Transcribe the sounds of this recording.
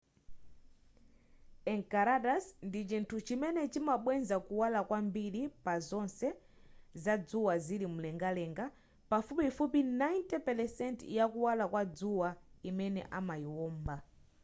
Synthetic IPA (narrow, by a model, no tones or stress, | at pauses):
ɛŋkaɾaɗasndit͡ʃintʰut͡ʃimɛnɛt͡ʃimaɓwɛnzakuwalakwambiɾipazɔnsɛ | zad͡zuwazilim̩lɛŋɡalɛŋɡa | pafupifupinajntɛpɛlɛsɛntjakuwalakwad͡zuwaimɛnɛ̰ʔamaiwɔːmba